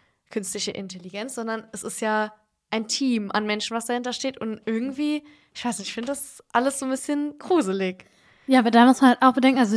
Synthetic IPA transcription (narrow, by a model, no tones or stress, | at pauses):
kʰʏnstlɪçəʔɪ̰ntʰɛliɡɛnt͡sz̥ɔndɐnɛsɪstjaː | ʔaɪntʰiːmʔa̰nmɛnʃn̩vasd̥ahɪntɐʃteːtʊntʔɪɐɡŋ̩tv̥iː | ʔɪçv̥aɪsnɪçtɪfɪndəd̥as | ʔaləsz̥oːbɪsçənɡ̥ʁuːzəlɪk | jaːbadamʊsmanhaltaʊxb̥ədɛŋkŋ̩alzo